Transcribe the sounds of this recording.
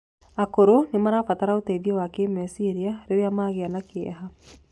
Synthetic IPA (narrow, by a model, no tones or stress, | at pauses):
akoɾonemaɾafataɾaoteiðjewakemɛsiɾiaɾeɾeamaːɣeanakeɛ̰ɦa